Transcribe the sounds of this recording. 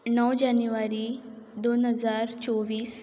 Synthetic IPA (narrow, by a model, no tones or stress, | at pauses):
nəwd͡ʑanjuʋaɾiː | d̪onɦəd͡zaɾt͡sɔʋiːs